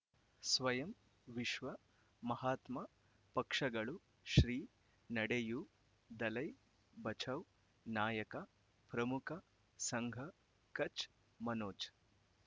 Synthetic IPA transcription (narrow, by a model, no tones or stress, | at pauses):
sʋɐjɐm | ʋiʃʋɐ | mɐhaːt̪mɐ | pɐkʂɐɡɐɭu | ʃɾiː | nɐɽeju | d̪ɐlɐj | bɐt͡ʃʰɐw | naːjɐkɐ | pɾɐmukʰɐ | sɐŋɡʱɐ | kɐt͡ʃ | mɐnoːt͡ʃ